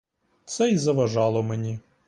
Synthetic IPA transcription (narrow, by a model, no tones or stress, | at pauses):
t̪sɛizɐʋɐʒɑlˠɔmenʲi